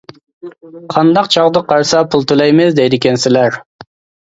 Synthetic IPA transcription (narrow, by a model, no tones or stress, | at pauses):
qʰɑnd̪ɑqt͡ʃʰɑʁd̪əqʰːɑɾsɑpʰulˠt̪ʰulˠɑjmɪzd̪ɛjd̪ɪkʲɛnsɪlæɾ